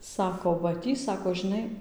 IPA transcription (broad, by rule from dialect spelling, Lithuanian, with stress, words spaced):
ˈsɑːkoː ʋɐ ˈtʲiː ˈsɑːkoː ʒʲɪˈnɐɪ